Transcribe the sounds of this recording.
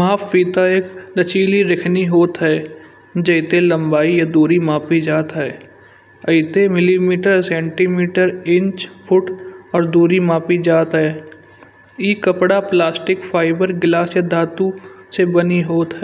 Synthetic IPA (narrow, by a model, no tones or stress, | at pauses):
maːpʰːiːt̪aeːkd̪ət͡ʃiːliɾɪkʰniɦoːt̪ɦɛː | d͡ʒəɪt̪elə̃mbaːijad̪uːɾimaːpid͡ʒaːt̪ɦɛː | ɐɪt̪emɪlimiːʈəɾsɛ̃ːɳʈimiːʈəɾɪ̃ɲt͡ʃpʰʊʈɔːɾd̪uːɾimaːpid͡ʒaːt̪ɦɛː | iːkəpɽaplaːsʈɪkpʰaːɪbəɾɡɪlaːsjad̪aːt̪u | sebəniɦoːt̪ɦɛ